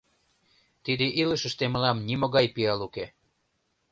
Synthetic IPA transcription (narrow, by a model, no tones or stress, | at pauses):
t̪id̪eʔiləʃə̆ʃt̪eməlɑmnimoɣɑjpiɑluke